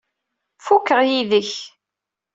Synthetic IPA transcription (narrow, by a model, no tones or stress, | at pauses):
fukːəʁjiðəç